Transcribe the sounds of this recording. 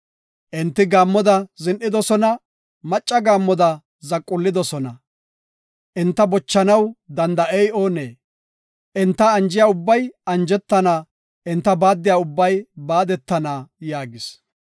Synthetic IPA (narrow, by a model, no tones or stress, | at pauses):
ʔɪnt̪ːɪɡaːmːɔd̪ɐzɪnʔɪd̪ɔsɔnɐ | mɐt͡ʃʼːɐɡaːmːɔd̪ɐ | zɐkʼːʊlːɪd̪ɔsɔnɐ | ʔɪnt̪ːɐbɔt͡ʃːɐnɐwd̪ɐnd̪ɐʔɛjo̞ːneː | ʔɪnt̪ːɐɐnd͡ʒɪjaːʊbːɐjɐnd͡ʒɛt̪ːɐnaː | ʔɪnt̪ːɐbaːd̪ːɪjaːʊbːɐjbaːd̪ɛt̪ːɐnaːjaːɡɪs